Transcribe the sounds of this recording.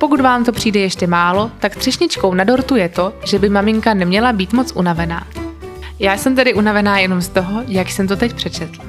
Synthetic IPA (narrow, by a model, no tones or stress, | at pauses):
po̞kut̪vaːmt̪o̞pr̝̥iːdɛjɛʃcɛmaːlo̞t̪akst̪r̥ɛʃɲɪt͡ʃko̞wnado̞ɾt̪ujɛt̪o̞ʒɛbɪmamɪŋkanɛmɲɛlabiːt̪mo̞t͡sʔunavɛna̰ː | jaːsɛmt̪̬ɛdɪʔunavɛnaːjɛno̞mst̪o̞ɦojakjsɛmt̪o̞t̪ɛc̚pr̥ɛt͡ʃɛt̪l̩